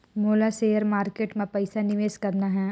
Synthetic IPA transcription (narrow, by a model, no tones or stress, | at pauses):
moːlaseːjəɾmaːɾkeːʈmẽpɛɪsanɪʋeːskɐɾnaɦɛː